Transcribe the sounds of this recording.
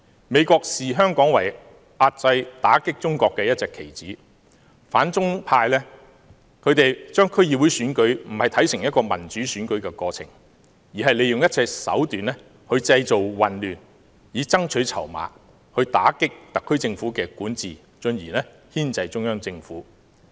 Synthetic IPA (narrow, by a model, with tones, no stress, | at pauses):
me˨˧jkɔː˧k̚siː˨ɦœː˥ŋkɔː˨˥ŋwɐ˨˩j | ʔaː˧t̚t͡sɐ˧jt̪aː˨˥kɪ˥k̚t͡sʊ˥ŋkʷɔː˧kːɛː˧jɐ˥t̚t͡sɛː˧kʰe˨˩jt͡siː˨˥ | faː˨˥nt͡sʊ˥ŋpʰaː˧jlɛ˥ | kʰɵ˨˧ɥt̪e˨jt͡ʃœː˥ŋkʰɵ˥ɥjiː˨wu˨˧jsyː˨˥nkɵ˨˥ɥm̩˨˩hɐ˨˩jt̪ʰɐ˨˥jsɪ˨˩ŋjɐ˥t̚kɔː˧mɐ˨˩nt͡ʃyː˨˥syː˨˥nkɵ˨˥ɥkɛː˧kɔː˧t͡sʰɪ̰˨˩ŋ | jiː˨˩ɦɐ˨jle˨˧jʊ˨ŋjɐ˥t̚t͡sɛː˧sɐ̰˨˥wt̪yː˨nlɛː˥ | hɵ˧ɥt͡sɐ˧jt͡so˨wwɐ˨nlyː˨n | jiː˨˧˥t͡sɐ˥ŋt͡ʃʰɵ˨˥t͡sʰɐ̰˨˩wma̰ː˨˥ | hɵ˧ɥt̪a̰ː˨˥kɪ˥k̚t̪ɐ˨kʰːɵ˥ɥt͡sɪ˧ŋfuː˨˥kɛː˧kuː˨˥nt͡siː˨ | t͡ʃɵ˧njiː˨˩nɛ˥ | hiː˥nt͡sɐ˧jt͡sʊ˥ŋjœː˥ŋt͡sɪ˧ŋfuː˨˥